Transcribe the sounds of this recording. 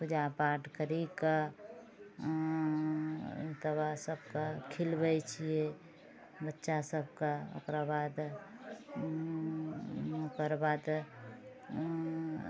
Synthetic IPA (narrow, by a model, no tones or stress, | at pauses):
pʊd͡ʒaːpaːʈkəɾika | t̪əbasəb̚kakʰɪlbəjt͡ʃʰie | bətːʃasəbkao̰kɾabaːd̪ | kəɾbaːd̪